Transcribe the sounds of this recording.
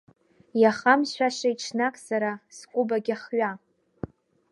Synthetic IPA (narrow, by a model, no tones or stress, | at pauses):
jaχamʃʷᶣaʃajʈ͡ʂʰnakʼsaɾaskʷʼʊbaɡʲaχɥa